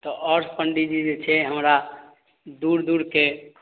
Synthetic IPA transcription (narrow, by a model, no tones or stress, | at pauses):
t̪ɔʔɔɾspəɳɖid͡ʒid͡ʒet͡ʃʰɛɦəmɾa | d̪uɾd̪uɾke